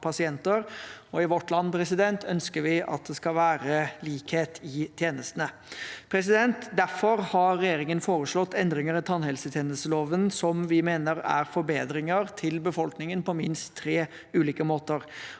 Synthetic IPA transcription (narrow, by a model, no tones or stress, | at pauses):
pʰɑsɪɛnt̪əɾɔɪʋɔʈːlɑnːpʰɾɛsɪd̪ɛnt̪ʰœnskəɾʋɪʔɑ̰t̪̚d̪ɛskɑlʋæːɾəliːkheːt̪ʰɪt̪ʰjeːnəst̪ənə | pʰɾɛsɪd̪ɛnt̪d̪æɾfɔɾhɑːɛjeːɾɪŋənfoːɾəʂɭɔt̪ːɛnd̪ɾɪŋəɾɪt̪ʰɑnhɛlsət̪ʰjeːnəst̪əloːʋənsɔmʋɪmeːnəɾæ̰ɾfɔɾbeːd̪ɾɪŋəɾt̪ʰɪlbəfɔlknɪŋənpʰɔmɪnst̪ʰːɾeː | ʉːliːkəmoːt̪əɾ